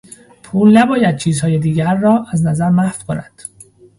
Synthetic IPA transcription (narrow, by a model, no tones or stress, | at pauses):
pʰuːlnæbɒːjæd̪̥̚t͡ʃʰiːzhɒːjed̪iːɟæɾːɒːʔæznæzæɾmæfkʰonæd̪̥